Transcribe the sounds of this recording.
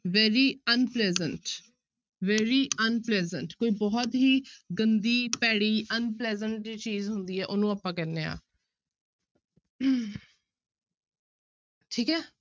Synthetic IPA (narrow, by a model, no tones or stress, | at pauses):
ʋɛːɾiːənplɛːzəɳʈ | ʋɛːɾiːənplɛːzəɳʈkoːiːbɔːt̪ɦiːɡənd̪iːpɛːɽiːʔənplɛːzəɳʈiːt͡ʃiːzɦʊnd̪iːɛːʔʊnũːəpːãːkɛɾneːa̰ː | ʈʰiːkɛː